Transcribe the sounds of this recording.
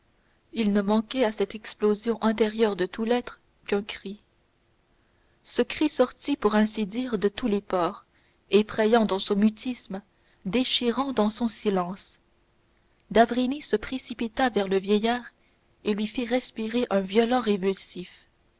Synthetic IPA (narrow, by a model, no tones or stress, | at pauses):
ilnəmɑ̃kʲɛasɛt̪ɛksplozjɔ̃ʔɛ̃t̪̬eʁjœʁd̪ət̪ulɛt̪χə | kɛ̃kχi | səkχisɔʁt̪ipuʁɛ̃sid̪iːʁd̪ət̪ulepɔːʁ | efχɛjɑ̃d̪ɑ̃sɔ̃myt̪ʰism | d̪eʃiʁɑ̃d̪ɑ̃sɔ̃silɑ̃s | d̪avʁinisəpχesipit̪avɛʁləvjɛjaːʁ | elɥifiʁɛspiʁeʔœ̃vjɔlɑ̃ʁevylsif